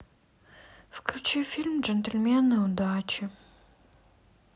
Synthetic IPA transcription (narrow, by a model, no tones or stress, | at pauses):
fklʲʊt͡ɕifʲilʲmd͡ʒɛnt̪elʲmʲenːɨʊd̪at͡ɕɪ